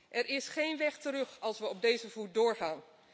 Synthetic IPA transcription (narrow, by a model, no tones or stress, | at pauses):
ʔɛɹɪsχejnʋɛχtəɾɵχɑlˠsʋəɔb̚dejzəvut̚dʊːɹχaːn